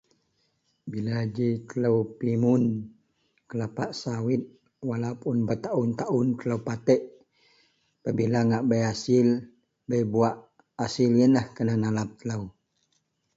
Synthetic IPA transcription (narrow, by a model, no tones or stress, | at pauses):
bilad͡ʒit̪ələwpimun | kəlapaʔsawit̪̚ | walapunbət̪aʔʊnt̪aʔunt̪ələwpat̪ɛʔ | pəbilaŋaʔbəjasɪl | bəjbuaʔ | asiljənahkənanalap̚t̪ələu